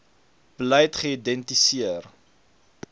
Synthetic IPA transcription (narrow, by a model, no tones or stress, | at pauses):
b̥əlɛjtχəidɛntisiər